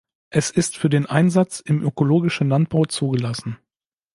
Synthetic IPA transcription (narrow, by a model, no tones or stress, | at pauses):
ʔɛsɪstfyːɐdeːnʔaɪnzat͡sɪmʔøkoloːɡɪʃn̩lant̚b̥aʊt͡suːɡəlasn̩